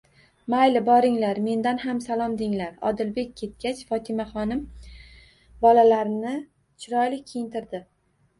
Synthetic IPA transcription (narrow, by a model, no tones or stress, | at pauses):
majlɪbɒɾɪŋlaɾme̞nd̪anɦamsalˠɒmd̪ɪŋlaɾɒ̰d̪ɪlbe̞kʲʰːe̞t̪̚kʲat͡ʃfɒt̪ʰɪmaχɒnɪm | bɒlalaɾnɪ | t͡ʃʰɪɾɒjlɪkʲkʲʰːejɪnt̪ʰɪɾd̪ɪ